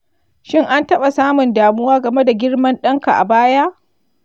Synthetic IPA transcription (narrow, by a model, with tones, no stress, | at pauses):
ʃɪ˦ŋʔa˦ntɐ˦ɓa˨saː˦mʊ˨ndaː˨mʊ˦waː˦ɡɐ˨me˦da˨ɡʲɪ˦ɽmɐ˦nɗɐ˦ŋka˨ʔa̰˨baː˦jaː˦